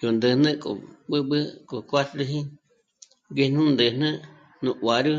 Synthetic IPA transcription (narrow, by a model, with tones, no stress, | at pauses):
jo˨nd̪ə˧hnə̃˦ko̰˨ɓɨ˦ɓɨ˦kʼo˨kʷa˦t̪ɾɨ˧ɦĩ˦ | ɡe˧nũ˦nd̪ɨ˧nə̃˦ | nũ˧ʔwa˨ɾɨ˦